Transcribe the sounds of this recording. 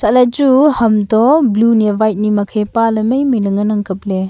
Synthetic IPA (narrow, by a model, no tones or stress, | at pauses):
salad͡ʒuhɐmdɔblunevajt̚nimɐkʰepalɐməjmijlɯŋɯnaŋkʰɯp̚le